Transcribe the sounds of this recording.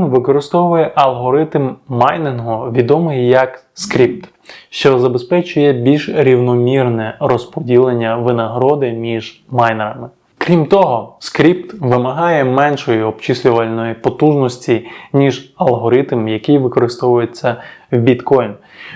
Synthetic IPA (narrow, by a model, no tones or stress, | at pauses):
nʋɪkɔɾɪst̪ɔʋʊjɛʔɐlˠɦɔɾɪt̪mːajnɪnɦʊʋʲid̪ɔmɪjːɐk | skɾʲip̚t̪ | ʃt͡ʃɔzɐbespɛt͡ʃʊjɛbʲilʲʒɾʲiwnɔmʲirnɛɾɔspɔdʲilˠenʲːɐʋɪnɐɦɾɔd̪ɪmʲiʒmajneɾɐmɪ | kɾʲimt̪ɔɦɔskɾʲipt̪ʋɪmɐɦɑjɛmɛnʃɔjiɔpt͡ʃɪsʲlʲʊʋɐlʲnɔjipɔt̪uʒnɔsʲtʲinʲiʒɐlˠɦɔɾɪt̪mjɐkɪjʋɪkɔɾɪst̪ɔʋʊjet͡sʲːɐwbʲit̪kɔjn